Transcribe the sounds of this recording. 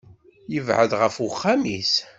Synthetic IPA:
jəvʕə̰ðʁəfwχːamis

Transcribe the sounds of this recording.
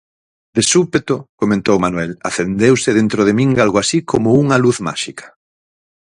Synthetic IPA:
d̪esupet̪okomẽnt̪owmanwɛla̰θend̪ewsɪðent̪ɾoð̞emĩŋɡalɣoasikʰomʊuŋɐluθma̰ʃikɐ̥

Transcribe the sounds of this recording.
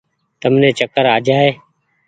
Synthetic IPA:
t̪əmnẽːt͡ʃəkəɾaːd͡ʒaːɦeː

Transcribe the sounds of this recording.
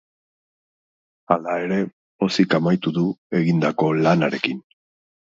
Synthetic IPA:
alae̞ɾe̞ | osikamajt̪uðue̞ɣind̪ako̞lanaɾe̞kin

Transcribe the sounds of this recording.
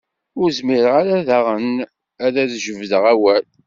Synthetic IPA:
ʊɾzmiɾəʁaɾæðæʁən | æðæðʒəvðəʁæwæl

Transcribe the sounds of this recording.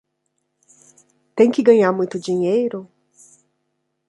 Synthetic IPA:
t̪ẽj̃kɪɡɐ̃ɲaɾmũj̃t̪ʊd͡ʒiɲejɾʊ

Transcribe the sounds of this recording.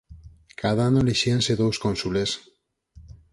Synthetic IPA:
kʰaðaanoliʃianseðowskonsules

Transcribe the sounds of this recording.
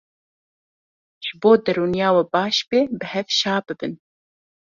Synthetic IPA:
ʒ̥ɨboːd̪ɛɾuːnjɑːwɛbɑːʃbeːbɨhɛvʃɑːbɨbɨn

